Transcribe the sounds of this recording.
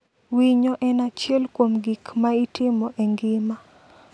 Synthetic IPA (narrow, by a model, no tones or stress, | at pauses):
wiɲɔʔɛnat͡ʃɛlkwomɡikmaitɪmɔʔeŋɡɪma